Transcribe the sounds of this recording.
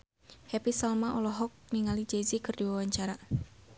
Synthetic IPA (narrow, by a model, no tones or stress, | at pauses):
hepisalmaʔɔlɔɦɔk̚niŋalid͡ʒezikɨrdiwawaɲt͡ʃaɾa